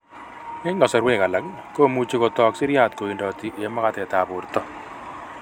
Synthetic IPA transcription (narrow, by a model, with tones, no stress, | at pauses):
ɛ˦ŋɡɔ˨sɔ˨ɾwe˦˨ka˨la˨k | ko˦˨mu˦t͡ʃi˦kɔ˨t̪ɔ˨ksɪ˦ɾja˦˨t̪ko˨i˨ndɔ˨t̪i˨ʔe˦ma˦ka˦t̪ɛ˨t̪a˨bʊ˨ɾt̪ɔ˦